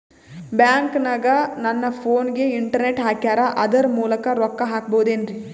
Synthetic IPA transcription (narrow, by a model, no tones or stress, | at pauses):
bjaːŋknɐɡɐnɐnːɐpʰoːnɡeiɳʈɐɾneʈɦaːkjaːɾɐʔɐd̪ɐɾmuːlɐkɐɾɔkːɐɦaːk̚boɦud̪eːnɾi